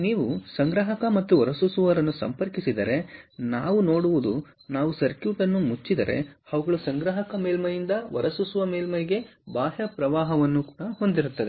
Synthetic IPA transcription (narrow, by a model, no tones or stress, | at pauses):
niːʋusɐŋɡɾɐɦɐkɐmɐt̪ːuʋɐɾɐsusuʋɐɾɐnːusɐ̰mpɐɾkisid̪ɐɾe̞naːʋunoːɽuʋud̪u | naːʋusɐɾkjuːʈɐnːumut͡ʃːid̪ɐɾe̞̰ɐʋuɡɐɭusɐŋɡɾɐːɦɐkɐmeːlmɐjind̪ɐʋɐ̰ɾɐsusuʋɐmeːlmɐjɡe̞baːʃɐpɾɐʋaːɦɐʋɐnːukuːɽɐho̞nd̪iɾut̪ːɐd̪e